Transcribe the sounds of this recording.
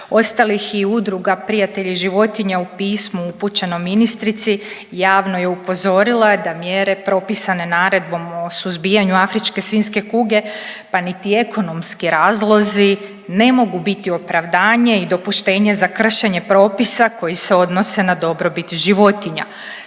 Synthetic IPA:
o̞st̪alixiud̪ɾuɡapɾijat̪e̞ʎiʒiʋo̞t̪iɲaupiːsmuuput͡ʃenominist̪ɾit̪si | jaːʋno̞jeupo̞zo̞ɾilˠad̪amjeːɾe̞pɾo̞pisane̞naːɾe̞d̪̚bo̞mo̞suzbijaɲuafɾit͡ʃke̞sʋiːnske̞kuɡe̞panit̪ie̞kʰo̞no̞mskiɾaːzlˠo̞zi | ne̞mo̞ɡubit̪io̞pɾaʋd̪aːɲe̞id̪o̞puʃt̪e̞ːɲe̞zakr̩ʃe̞ɲe̞pɾo̞ːpisako̞jise̞o̞d̪no̞se̞nad̪o̞bɾo̞bit̪ʒiʋo̞t̪iɲa̰

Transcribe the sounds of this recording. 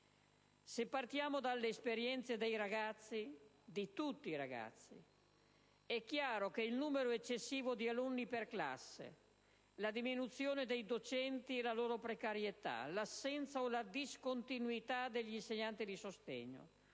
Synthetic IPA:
sepːart̪jaːmod̪alːeːspeɾjɛnt̪sed̪ejɾaɡat̪sːi | d̪it̪ut̪ːiːɾaɡa̰t̪sːḭ | ɛkːjaːɾokeilnuːmeɾoet͡ʃːesːiːvod̪ialunːiperkla̰sːḛ | lad̪iminut̪sjoːned̪ejd̪ot͡ʃɛnt̪iɛlaloːɾopɾekaɾjet̪a̰lasːɛnt̪saolad̪iskont̪inuit̪ad̪eʎːinseɲːant̪id̪isost̪ɛ̰ɲːo̰

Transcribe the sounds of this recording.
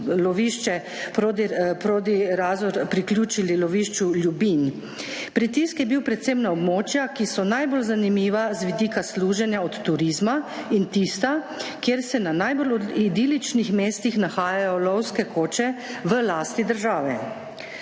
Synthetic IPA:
lɔʋiʃt͡ʃɛ | pɾod̪ipɾoːd̪iɾaːzɔɾpɾiklʲjuːt͡ʃililɔʋiːʃt͡ʃuljubin | pɾit̪iskjɛbiwpɾɛt̪semnaɔbmoːt͡ʃjakisɔnajbolzanimiːʋazʋid̪iːkasluːʒɛnjaɔt̪ːuɾizma | int̪ist̪a | kjeːɾsɛnanajbolɔid̪iːlit͡ʃnixmeːst̪ixnaxaːjajɔlɔwskɛkʰoːt͡ʃɛʋəlaːst̪id̪əɾʒaːʋɛ

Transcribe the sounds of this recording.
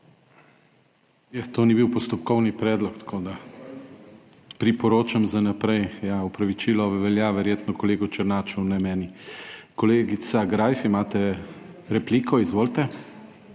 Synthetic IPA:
jat̪oːnibiwpɔst̪ɔpkɔwnipɾɛːd̪lɔkt̪ḁkʰoːd̪a | pɾipɔɾoːt͡ʃamzanapɾɛjjaɔpɾaʋit͡ʃiːlɔʋɛljaʋɛɾjeːt̪nɔkɔleːɡut͡ʃəɾnaːt͡ʃɔwnɛmɛːnikɔleːɡisaɡɾajfimaːt̪ɛ | ɾɛpliːkʰɔizʋoːlt̪ɛ

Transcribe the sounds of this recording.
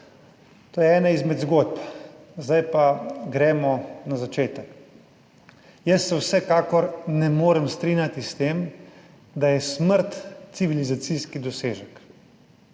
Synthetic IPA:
t̪oːjɛɛːnaizmɛd̪zɡod̪̚p | zd̪ajpaɡɾɛːmɔnazat͡ʃeːt̪ək | jəsːɛwsɛkaːkɔɾnɛmoːɾɛmst̪ɾiːnjat̪ist̪eːm | d̪ajɛsməɾt̪siʋilizat̪siskid̪ɔseːʒək

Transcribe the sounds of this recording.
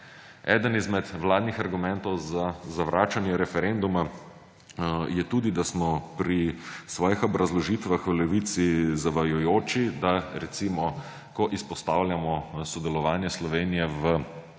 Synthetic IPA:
ɛːd̪ənizmɛt̪ʋlaːd̪nixaɾɡumɛnt̪ɔwzazaʋɾaːt͡ʃanjɛɾɛfɛɾend̪uma | jɛt̪uːd̪id̪asmɔpɾisʋɔːjixɔbɾazlɔʒit̪ʋaxʋlɛʋit̪sizaʋajujoːt͡ʃid̪aɾɛt̪simɔ | kɔʔispɔst̪aːwlʲjamɔsɔd̪ɛlɔʋaːnjɛslɔʋeːnijɛʋə

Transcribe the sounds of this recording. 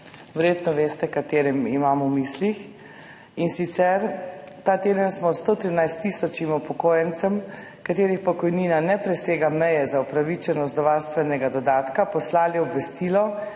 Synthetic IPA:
ʋɛɾjeːt̪nɔʋeːst̪ɛkat̪eːɾɛmimaːmumiːslix | insit̪sɛɾt̪aːt̪eːd̪ənsmɔt̪st̪oːt̪ɾinajst̪ːisɔt͡ʃimupɔkoːjɛnt̪sɛm | kat̪eːɾixpɔkɔjniːnanɛpɾɛseːɡamɛjɛzaupɾaʋit͡ʃɛnɔst̪d̪ɔʋaːɾst̪ʋɛnɛɡad̪ɔd̪aːt̪kapɔslaːliɔbʋɛst̪ilɔ

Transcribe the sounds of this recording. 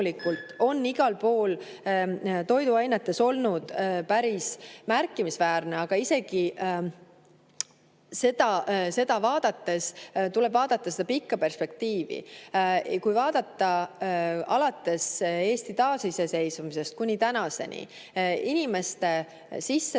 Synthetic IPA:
likːˑult̪ˑo̞nːiɡ̥ɑlpo̞ːl | t̪o̞jd̪uɑjnet̪ːˑe̞so̞lnud̪̥pæɾismærkːimisvæːrneɑɡ̥ɑise̞ɡ̥i | se̞d̪̥ɑse̞d̪̥ɑvɑːd̪̥ɑt̪ːe̞st̪ule̞b̥vɑːd̪ɑt̪ːˑɑse̞d̪̥ɑpikːɑpe̞rspe̞k̚t̪iːvḭ | kujvɑːd̪ɑt̪ːɑ | ɑ̰lɑt̪ːe̞se̞ːst̪it̪ɑːsise̞se̞jsumise̞st̪̚kunʲːit̪ænɑse̞nʲḭ | inʲime̞st̪e̞ | sisːe

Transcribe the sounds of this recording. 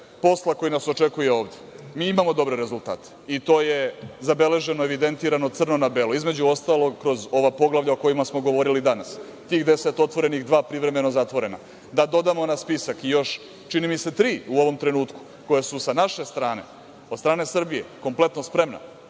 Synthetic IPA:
po̞slˠakojinasot͡ʃe̞kujeo̞ːʋd̪jemiːimamo̞d̪o̞bɾeɾe̞zulˠt̪a̰ːt̪e̥it̪o̞ːjezabe̞le̞ʒe̞noeʋid̪e̞nt̪iːɾano̞t̪sr̩no̞nabelˠoizmed͡ʑuo̞st̪alˠo̞ɡkɾo̞zo̞ʋapo̞ɡlˠaʋʎaoko̞jimasmo̞ɡo̞ʋo̞ɾilid̪anas | t̪iːɣd̪e̞se̞t̪o̞t̪ʋo̞ɾe̞nixd̪ʋaːpɾiʋɾe̞me̞no̞zat̪ʋo̞ɾe̞na̰ | d̪ad̪o̞d̪amo̞naspisakijo̞ʃ | t͡ʃinimise̞t̪ɾiːuo̞ʋo̞mt̪ɾe̞nuːt̪ku̥ | ko̞jesusanaʃe̞st̪ɾaːne̞̰ | od̪st̪ɾaːne̞sr̩bije̞̰ko̞mplˠe̞t̪no̞spɾe̞mna̰

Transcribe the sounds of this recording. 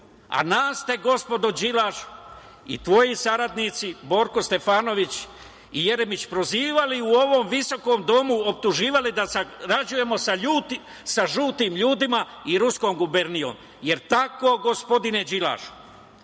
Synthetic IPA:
a̰naːst̪e̞ɡo̞spo̞d̪od͡ʑilaːʃ | ḭt̪ʋo̞jisaɾad̪nit̪sibo̞ːɾkost̪e̞faːno̞ʋit͡ɕ | ije̞ɾemit͡ɕpɾo̞ziːʋaliuo̞ʋo̞mʋiso̞ko̞ːmd̪o̞muop̚t̪uʒiːʋalid̪asaɾad͡ʒuje̞mo̞saut̪ | saʒuːt̪iːmʎuːd̪ima | iɾusko̞ːmɡube̞ɾnio̰m | je̞ɾt̪ako̞ːɡo̞spo̞d̪ine̞d͡ʑila̰ːʃ

